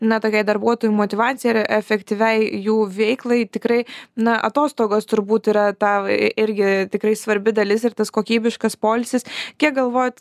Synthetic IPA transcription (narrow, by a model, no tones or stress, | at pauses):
nɐt̪oːkʲɛɪd̪ɐɾbuɔt̪oːjumoːt̪ʲɪʋɑːt͡ssʲɪjɛɐɾɛfʲɛkt̪ʲiʋʲɛɪjuːʋʲɛɪklˠɐɪt̪ʲɪkɾɐɪnɐʔɐ̰t̪oːst̪oːɡoːst̪ʊɾbuːt̪iːɾɐt̪ɑːɪɾʲɡʲɪt̪ʲɪkɾɐɪsʋɐɾʲbʲɪd̪ɐlʲɪsɪrt̪ɐskoːkʲiːbʲɪʃkɐspoːlʲsʲɪskʲiɛk̚ɡɐlˠʋoːjɛt̪